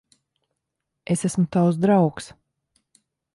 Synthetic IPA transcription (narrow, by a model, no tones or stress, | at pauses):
esæsmut̪awsd̪ɾawks